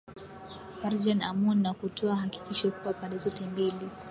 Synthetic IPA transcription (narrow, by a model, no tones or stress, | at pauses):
faɾd͡ʒanamunːakutʰɔaɦaki̥kiʃɔkuapaɗɛzɔtɛmbili